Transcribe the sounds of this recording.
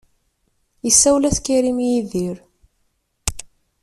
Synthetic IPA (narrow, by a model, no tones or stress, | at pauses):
jəsːæwlæθkːiɾimjiðiɾ